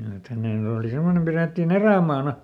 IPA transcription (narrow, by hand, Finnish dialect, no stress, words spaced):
et hæneˑn oːli semːonem pireˑtːin eræˑmɑːnɑ